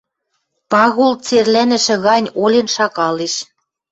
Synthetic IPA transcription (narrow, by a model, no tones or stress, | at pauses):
pɑɣult͡serlænɘ̆ʃɘ̆ɣɑnʲolʲĕnʃɑkɑleʃ